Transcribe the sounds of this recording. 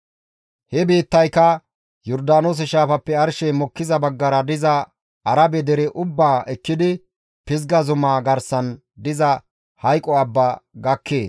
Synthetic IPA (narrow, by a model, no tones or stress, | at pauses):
hɛbiːt̪ːɐjkɐ | jɔɾd̪aːnos̬ɛʃaːfɐpːɛɐɾʃɛmɔkːɪzɐbɐɡːɐɾɐd̪ɪzɐ | ɐɾɐbɛd̪ɛɾɛʔʊbːaːʔɛkːɪd̪ɪ | pɪzɡɐzʊmaːɡɐɾsɐn | d̪ɪzɐ | hɐjkʼːɔɐbːaɡɐkʰːe̞ːs